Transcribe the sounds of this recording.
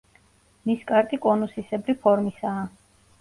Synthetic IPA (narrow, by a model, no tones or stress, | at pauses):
miskʼaɾt̪ʼikʼɔnusisɛbɾipʰɔɾmisaː